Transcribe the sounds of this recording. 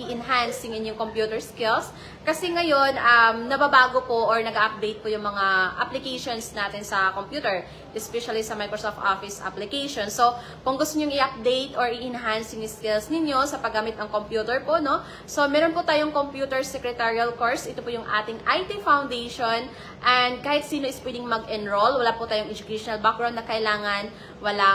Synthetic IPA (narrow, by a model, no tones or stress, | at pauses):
ʔiʔɪnɦansɪŋɪnjoŋkompjuːt̪ɛɹskɪls | kɐsɛŋɐjonʔɐmnɐbabaːɡopoʔɔɹnɐɡaʔɐp̚d̪ɛjt̪̚pʊjʊŋmɐŋaʔɐ̰plɪkɛjʃonsnaːt̪ɪnsɐkompjuːt̪ɛɹ | ʔɛspɛʃɐlisɐmajkɹosoft̪ʔofɪsʔa̰plɪkɛjʃonsːo̞ | kʊŋɡʊst̪oɲoŋɪʔɐp̚d̪ejt̪oɹɪʔɪnɦansjʊŋɪskɪlsnɪɲo̞sɐpɐɡaːmɪt̪̚nɐŋkompjuːt̪ɛɹpo̞ʔno̞ | so̞mɛːɾonpʊt̪aːjoŋkompjuːt̪ɛɹsɛkɹɛt̪ɛɹiɐlkoɹsʔɪt̪opʊjʊŋʔa̰ːt̪ɪŋʔajt̪ifawnd̪ɛjʃon | ʔɐnd̪̚kaːhɪt̪̚siːno̞ʔɪspwɛd̪ɪŋmɐɡʔɛnɹolwɐlaːpʊt̪aːjoŋʔɛd͡ʒʊkijʃonɐlbak̚ɡɹawnːɐkɐʔɪlaːŋɐn | wɐla